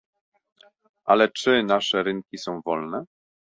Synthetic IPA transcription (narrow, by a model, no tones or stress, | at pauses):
ʔalɛt͡ʂɘnaʂɛɾɘŋkʲisɔ̃w̃vɔlnɛ